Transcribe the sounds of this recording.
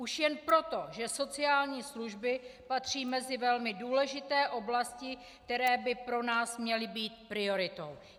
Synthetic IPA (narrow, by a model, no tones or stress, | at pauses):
ʔuʃjɛnpɾo̞t̪o̞ʒɛso̞t͡sɪaːlɲiːsluʒbɪpat̪r̝̥iːmɛzɪvɛlmɪduːlɛʒɪt̪ɛːʔo̞blascɪ | k̚t̪ɛɾɛːbɪpɾo̞naːsmɲɛlɪbiːt̪̚pɾɪo̞ɾɪt̪o̞̰w